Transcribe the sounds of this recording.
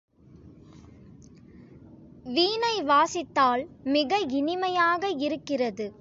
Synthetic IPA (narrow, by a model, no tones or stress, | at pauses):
ʋiːnɐɪʋaːsɪt̪ːaːlmɪɣɐɪnɪmɐjaːɣɐɪɾɯkːɪrɐðɯ